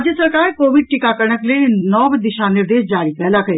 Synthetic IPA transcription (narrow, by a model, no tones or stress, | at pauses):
d͡ʒjəsəɾkaːɾkoːʋɪɖ̚ʈɪkakəɾɳəklenɔːbd̪ɪʃanɪɾd̪eːʃd͡ʒaːɾipɛːlakɐeː